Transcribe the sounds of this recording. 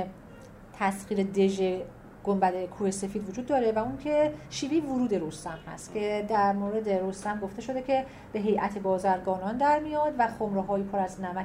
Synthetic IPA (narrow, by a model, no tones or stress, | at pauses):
t̪ʰæsχiːɾed̪e̞ʒe | ɡ̥ombæd̪ekʰuːhese̞fid̪vod͡ʒuːd̪ːɒːɾevæuŋkʰe̞ʃiːviːvoɾuːd̪e̞ɾost̪æmhæ̰st̪cʲʰe̞d̪æɾmoːɾe̞d̪e̞ɾost̪æmɡo̞ft̪eʃo̞d̪e̞cʲʰe̞ | b̥e̞ɦe̞jʔæt̪ʰe̞bɒːzæɾɡɒːnɒːnd̪æɾmijɒːd̪væxomɾeɦɒːjipʰoɾæznæmæ